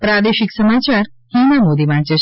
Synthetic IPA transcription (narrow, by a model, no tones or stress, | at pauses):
pɾad̪eɕiksəmat͡ɕaɾhinamod̪imaɳt͡ɕe